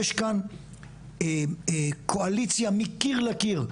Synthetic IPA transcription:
eʃkan | kʰoalit͡sjamikiʁlakiʁ

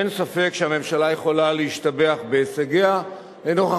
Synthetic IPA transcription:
ensafe̞kʃeame̞mʃalaje̞χo̞laleiʃtabeaχbe̞saɡea | leno̞χa

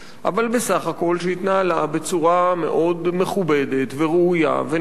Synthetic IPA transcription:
ʔa̰valbe̞saχako̞lʃeit̪naalabe̞t͡suʁame̞̰ʔo̞d̪me̞χube̞d̪et̪veʁeuja̰ve

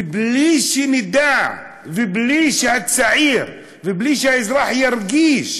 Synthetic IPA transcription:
bliʃinəd̪aʕ | vibliʃhæd̪saʕiɾ | vibliʃæjzɾˤɑħjəɾˤɡiʃ

